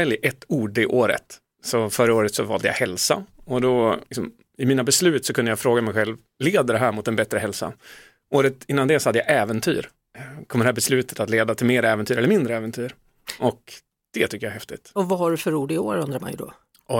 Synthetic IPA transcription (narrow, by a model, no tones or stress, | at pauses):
ɛljʔɛt̪ːuːɖɪʔoːɾə̰t̪ | sɔfœɾəoːɾət̪sɔvɑ̰ːld̪əja̰hɛlsa̰ɔd̪ɔlɪksɔm | ɪmiːnabɛslʉ̟ːt̪sɔkʰɵnd̪əjafɾoːɡamɛjɧɛlv | leːd̪əd̪ɛɦæːɾmʊt̪ɛnbɛt̪ɾəɦɛlsa̰ | ʔoːɾət̪ɪnːand̪ɛsɔhad̪ːəjaʔɛːvənt̪ʰy̰ːɾ | kʰɔmːd̪ɛhæːbɛslʉ̟ːt̪ə̥t̪at̪leːd̪at̪ʰɪlmeːɾɛːvɛnt̪yːɾɛlːəɾmɪnd̪ɾəɛːvɛnt̪ʰyːɾ | ʔɔk | d̪̥ɛt̪ʰʏkːəjaɦɛft̪ɪ̰t̪ɔvaɦaɖɵfœɾuːɖɪoːɾɵnd̪ɾama̰njd̪ɔ̰ | ɔ